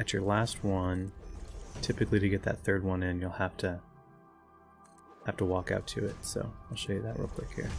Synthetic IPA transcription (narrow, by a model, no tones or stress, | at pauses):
ɨt͡ʃə˞læst̚wʌ̃n | tʰɪpɨklidɨɡɛt̪̚ðɨ̰t̪̚θɜ˞d̚wʌ̃nɪ̃njulˠhæftʰɨ | hæftəwɔka̰ʊtʰɨɪtsoʊaɪlˠʃoʊjɨðɨʔ̚ɹṵpʰlɪkhḭɹ